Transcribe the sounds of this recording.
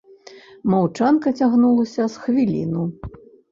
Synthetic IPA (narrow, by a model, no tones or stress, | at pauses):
mawt͡ʂankɐt͡sʲaɣnulˠɐsʲɐsxvʲilʲḭnu